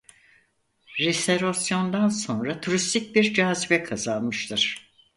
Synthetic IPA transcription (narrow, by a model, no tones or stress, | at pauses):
ɾeseɾosjo̞nd̪anso̞nɾat̪ʰuɾist̪ʰic̚biɾd͡ʒaːzibɛkʰazalˠmɯʃt̪ʰɯɾ̥